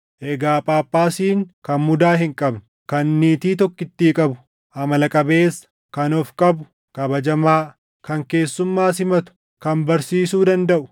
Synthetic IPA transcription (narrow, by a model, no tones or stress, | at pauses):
ʔɛɡaːpʼaːpʼːaːsiːŋkɐnmʊd̪aːɦɪŋkʼɐbnʊ̥ | kɐnːiːt̪iːt̪ɔkːɪt̪ːiːkʼɐbʊ̥ | ɐmɐlɐkʼɐbe̞ːsːɐ̥ | kɐnɔfkʼɐbʊ | kʼɐbɐd͡ʒɐmaː | kɐŋke̞ːsːʊmːaːs̬ɪmɐt̪ʊ̥ | kɐnbɐɾsiːsuːd̪ɐnd̪ɐʔʊ̥